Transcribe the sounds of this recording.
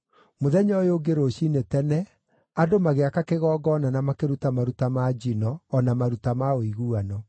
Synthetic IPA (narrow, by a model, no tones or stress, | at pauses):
moðɛɲɔjoɡeɾoɕinetɛnɛ | adomaɣeakakeɣɔːɡɔnanamakeɾutamaɾutamad͡ʑinɔːnamaɾutamaoiɣuanɔ